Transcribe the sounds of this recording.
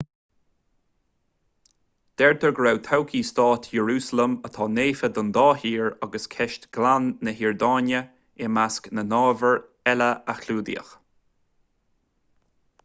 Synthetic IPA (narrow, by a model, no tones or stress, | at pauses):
d̪̥ɛɹt̪ʰəɹɡɹawt̪ʰawkʰiːst̪ɑːt̪ʰjəɹuːsələmət̪ʰɑːneːfəd̪ənd̪ɑːhiːɹaɡəskʰɛʃtɡ̥lanːəɦiɹd̪ɑːnjə | ɪmasknənɑːvəɹ | ɛləaxʰluːd̪ḭə̰x